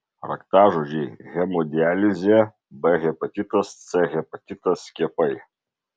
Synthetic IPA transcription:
ɾɐ̰kt̪ɑːʒoʒʲɛːɣʲɛmɔd̪ʲɪælʲɪzʲɛ | bɛɣʲɛpɐt̪ʲit̪ɐst̪sʲɛɣʲɛpɐt̪ʲɪt̪ɐsʲkʲiɛpɐɪ

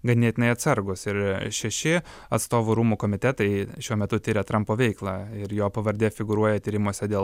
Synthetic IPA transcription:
ɡɐnʲeɛt̪ʲɪnɐɪɐt̪sɐɾɡʊsɪɾʃʲɛʃʲɪ | ɐt̪st̪oːʋʊɾuːmuːkoːmʲɪt̪ʲɛt̪ɐɪʃʲuɔmʲɛt̪ʊt̪ʲɪɾʲɛt̪ɾɐmpoːʋʲɛɪklˠɑːɪɾjoːpɐʋɐɾʲd̪ʲeːfʲɪɡʊɾuɔjɛt̪ʲiːɾʲɪmuɔsʲɛd̪ʲeː

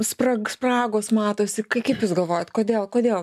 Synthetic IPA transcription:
sprɐsprɑːɡoːsmɑːt̪oːsʲɪkɐɪkɐɪpjusɡɐlˠʋoːjɛt̪koːd̪ʲeːlˠkoːd̪ʲeːlˠ

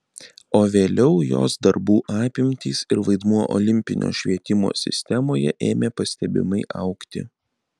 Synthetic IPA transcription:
oːʋʲeːlʲɛʊjo̰ːsd̪ɐɾbuːʔɑːpʲɪmʲt̪ʲiːsɪɾʋɐɪd̪muɔʔɔ̰lʲɪmʲpʲɪ̰nʲʔo̰ːʃʲʋʲiɛt̪ʲɪmo̰ːsʲɪ̰sʲt̪ʲɛmoːjɛʔeːmʲeːpɐsʲt̪ʲɛbʲɪ̰mɐɪʔɐ̰ʊkt̪ʲɪ̰

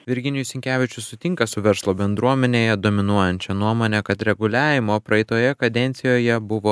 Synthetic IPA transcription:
ʋʲɪɾʲɡʲɪnʲɪjʊsʲɪŋʲkʲæːʋʲɪt͡ʃʲʊsʊt̪ʲɪŋkɐsʊʋʲɛɾslˠoːbʲɛnd̪ɾuɔmʲɛnʲeːjɛd̪oːmʲɪnuɔjɛnʲt͡ʃʲɛnuɔmoːnʲɛkɐt̪ɾʲɛɡʊlʲæːʋʲɪmoːpɾɐɛɪt̪oːjɛkɐd̪ʲɛnʲt̪sʲɪjoːjɛbʊʋoː

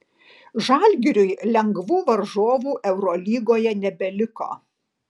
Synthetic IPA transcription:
ʒɐlʲɡʲɪɾʲʊɪlʲɛŋɡʋuːʋɐɾʒoːʋuːʔɛʊɾɔːlʲiːɡoːjɛnʲɛbʲɛlʲɪko̰ː

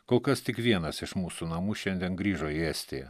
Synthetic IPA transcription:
koːlˠkɐst̪ʲɪkʋʲiɛnɐsɪʃmuːsunɐmuːʃʲɛnʲd̪ʲiɛnɡɾʲiːʒoːiɛːsʲt̪ʲejɛ

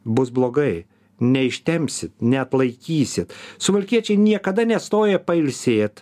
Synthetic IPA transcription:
bʊsblˠoːɡɐɪ | nʲɛɪʃʲt̪ʲɛmʲpʲsʲɪt̪nʲɛɐt̪lˠɐɪkʲiːsʲɪt̪sʊʋɐlʲkʲiɛt͡ʃʲɛɪnʲiɛkɐd̪ɐnʲɛst̪oːjɛpɐɪlʲsʲeːt̪

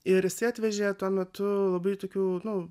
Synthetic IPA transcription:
ɪɾjɪsɪɑːt̪ʲʋʲɛʒʲeːt̪uɔmʲɛt̪ʊlˠɐbɐɪt̪oːkʲuːnʊ

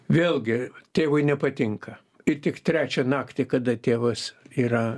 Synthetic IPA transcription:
ʋʲeːlˠɡʲɪt̪ʲeːʋɐɪnʲɛpɐt̪ʲɪŋkɐ | ɪt̪ʲɪkt̪ʲɾʲæːt͡ʃʲɛnɑːkt̪ʲɪkɐd̪ɐt̪ʲeːʋɐsiːrɐ

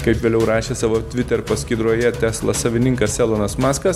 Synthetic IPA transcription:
kɐɪpʋʲeːlʲɛʊɾɑːʃʲeːsɑːʋoːt̪ʲʋʲɪt̪ʲɛɾpɐsʲkʲɪːd̪ɾoɔjɛt̪ʲæːslˠɐsɐʋʲɪnʲɪŋkɐssʲɛlˠoːnɐsmɑːskɐs

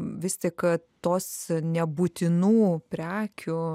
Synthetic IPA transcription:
ʋʲɪst̪ʲɪkt̪oːsnʲɛbuːt̪ʲɪnuːpʲɾʲæːkʲʊ

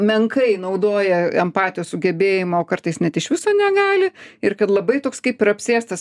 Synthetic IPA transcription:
mʲɛŋkɐɪnɐʊd̪oːjɛɛmpɑːt̪ʲɪjoːssʊɡʲɛbʲeːjɪmɐoːkɐrt̪ɐɪsnʲɛt̪ɪʃʋʲɪsoːnʲɛɡɑːlʲɪɪɾkɐt̪lˠɐbɐɪt̪oːkskɐɪpɪɾɐpʲsʲeːst̪ɐs

